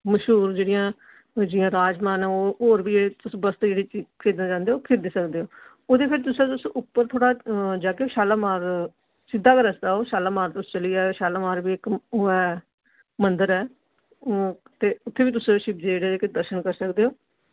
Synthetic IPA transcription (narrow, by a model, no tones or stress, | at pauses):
məʃɦuːɾd͡ʒeːɽijãː | d͡ʒɪjãːɾaːd͡ʒmaːnɛːoːɦoːɾbiːd͡ʒːt̪ʊsbəst̪eːd͡ʒeːɽiːt͡ʃiːkʰeːd̪nãːd͡ʒãːnd̪eːoːkʰeːd̪eːsəkd̪eːɦoː | oːd̪eːpʰɪɾt̪ʊsãːt̪ʊsʊpːəɾt̪ʰoːɽaːd͡ʒaːkeʃaːlaːmaːɾ | sɪd̪ʱːaːkəɾəsd̪aːoːʃaːlaːmaːɾt̪ʊst͡ʃəliːaːʃaːlaːmaːɾbiːɪkɦoːɛː | mənd̪əɾɛː | t̪eːʊt̪ʰːeːbiːt̪ʊsʃɪbd͡ʒ̪eːeːɽeːeːkɪd̪əɾʃənkəɾsəkd̪eːɦoː